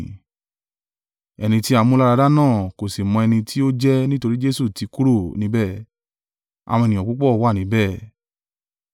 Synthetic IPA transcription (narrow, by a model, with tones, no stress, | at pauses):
ɛ˧nĩ˧ti˦a˧mũ˦la˦˧ɾa˧da˦nãː˦˨ko˨si˨mɔ̃˧ɛ˧nĩ˧tʰi˦o˦d͡ʒɛ˦nĩ˦to˧ɾi˦d͡ʒe˦su˦˨ti˧˦ku˦ɾo˦˨nĩ˧˦bɛ˦˨ | a̰˨w̃ɔ̃˧˨nĩ˨ɔ̃˨k͡pu˦k͡pɔ˦˨wa˦˨nĩ˨˦bɛ˦˨